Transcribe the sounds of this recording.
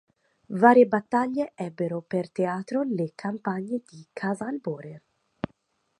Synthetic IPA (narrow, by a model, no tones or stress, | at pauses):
vaːɾjebat̪ːaʎːeʔɛbːeɾopert̪eaːt̪ɾolekʰampaɲːed̪ikʰaːzaːlbɔːɾer